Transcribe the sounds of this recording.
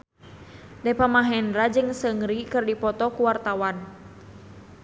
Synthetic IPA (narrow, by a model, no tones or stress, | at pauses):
dɛpamaɦɛndɾad͡ʒɨŋsəŋɾikɨrdipɔt̪ɔkuwart̪awan